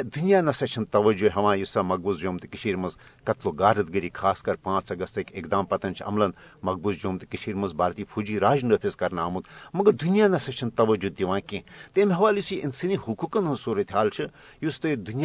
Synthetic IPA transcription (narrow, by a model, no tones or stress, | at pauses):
d̪unijaːnɐsɐt͡ʃʰɐnt̪ɐʋɐd͡ʒuɦɐʋãːjusɐmɐɡ̚buzd͡ʒoːmt̪ikiʃʰiːɾmɐzkɐt̪loːɡaːɾɨt̪ɡɐɾiːkʰaːskɐɾpãːt͡sɐɡɐst̪ɐkekd̪aːmpɐt̪ɐnt͡ʃʰɐ̰mlɐnmɐɡ̚buzd͡ʒoːmt̪ɨ̥kiʃʰiːɾmɐzbaːɾt̪iːpʰud͡ʒiːɾaːd͡ʒnəpʰʲizkɐɾnaːmud̪mɐɡɐɾd̪unjaːnɐsɐt͡ʃʰint̪ɐʋɐd͡ʒud̪̚iʋãːkẽːt̪emʲɦɐʋaːljisiʔinsinihukuːkɐnɦɐ̃suːɾɐt̪ʲɦaːlt͡ʃʰɨ | just̪ɨd̪unj